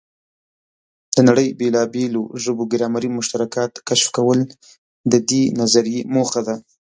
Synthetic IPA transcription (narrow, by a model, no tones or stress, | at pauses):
d̪̥ənaɽəjbelɑbeloʒəboɡɪɾɑmaɾimʊʃt̪aɾakɑt̪kaʃfkawəl | d̪əd̪enazaɾijemoxad̪a